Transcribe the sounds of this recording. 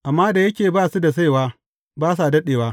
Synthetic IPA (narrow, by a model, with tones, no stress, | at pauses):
ʔa˨mːaː˦da˨jɐ˦kʲeː˨baː˦su˦da˨s̬a˦jwaː˦ | baː˦s̬a˨dɐ˦ɗeː˨waː˦